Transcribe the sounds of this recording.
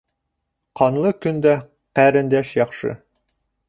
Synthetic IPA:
qɑnlˠɤkɵ̆nd̪æ | qæɾɘ̆nd̪æʃjɒχʃɤ̰

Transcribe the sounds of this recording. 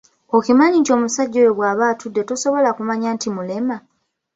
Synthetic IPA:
okimaɲito̞ːmusaɟːoweɡwaːβaːtudːe̞toso̞βo̞lakumaɲaːntimule̞ma

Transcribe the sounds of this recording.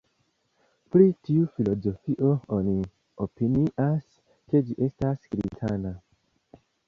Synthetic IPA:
pɾitiufilo̞zo̞fiʔo̞oni | opiniʔas | ke̞d͡ʒiʔe̞stasɡɾḭtʰana

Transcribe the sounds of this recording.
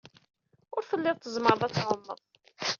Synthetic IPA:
ʊɾθəlːɪðˤt̪ːəzməɾˤðˤæt͡sːʕʊmːə̰ðˤ

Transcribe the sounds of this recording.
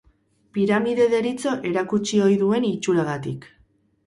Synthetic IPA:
piɾamiðe̞ðe̞ɾit͡so̞ʔe̞ɾakut͡ʃio̞jðue̞nit͡ʃuɾaɣat̪ik

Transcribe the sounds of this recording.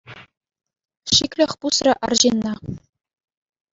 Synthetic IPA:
ɕikʲlʲɘ̆xʲpusrɘ̆ʔɑrʑinːɑ

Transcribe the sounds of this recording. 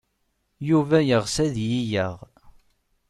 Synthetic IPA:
juvæjəʁsæðjijəʁ

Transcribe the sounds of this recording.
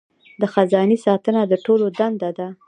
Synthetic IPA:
d̪əxazɑnisɑt̪ənad̪əʈolod̪and̪ad̪a

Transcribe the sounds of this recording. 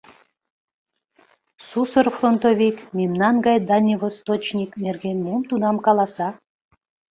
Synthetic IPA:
susərfront̪ovʲikmʲimnɑnɡɑjd̪ɑnʲːivost̪ot͡ɕnʲiknerɡʲemumt̪unɑmkɑlˠɑsɑ

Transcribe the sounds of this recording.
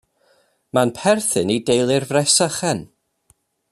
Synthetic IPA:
manpʰɛrθɨnidejlˠɪrvrɛsaχɛn

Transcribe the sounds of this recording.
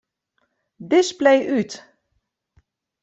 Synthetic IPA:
dɪsplejʔyt

